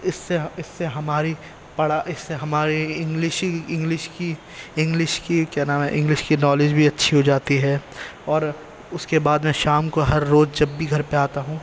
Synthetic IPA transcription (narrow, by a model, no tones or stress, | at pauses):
ɪsːeɪsːeɦɐmaːɾi | pɐɽ̤aʔɪsːeɦɐmaːɾiɪ̃ŋɡlɪʃɪ̃ŋɡlɪʃki | ɪ̃ŋɡlɪʃkikjanaːmẽʔɪ̃ŋɡlɪʃkinɔːlɪd͡ʒbʱiɐtːʃʰiɦod͡ʒaːt̪iɦɛːɔːɾ | ʊskebaːd̪mɛ̃ʃaːmkoɦɐɾːoːzd͡ʒɐbːʱiɡʱɐɾpeaːt̪aɦũː